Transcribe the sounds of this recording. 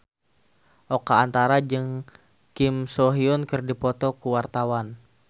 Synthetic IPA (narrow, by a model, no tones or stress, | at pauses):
ʔokaːnt̪aɾad͡ʒɨŋ | kɪmsɔɦiʊnkɨrdipɔt̪ɔkuwart̪awan